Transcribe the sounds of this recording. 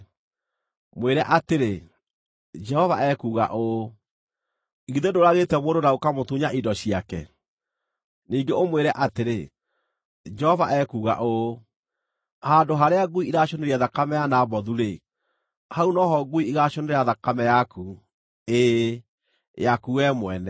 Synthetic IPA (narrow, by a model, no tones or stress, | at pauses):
mweɾɛʔateɾe | d͡ʒɛhɔvaʔɛkuɣa̰ʔo | iɣiðedoɾaɣetɛmoːndonaokamotuɲaʔidɔɕiakɛ̰ | niːŋɡeomweɾɛʔateɾe | d͡ʒɛhɔvaʔɛkuːɣa̰ʔo | hadoɦaɾeaɡuiʔiɾaɕoneɾiaðakamɛjanabɔðuɾe | haunɔɦɔɡuiiɣaʃoneɾeaðakamɛjaku | e | jakuwɛmwɛnɛ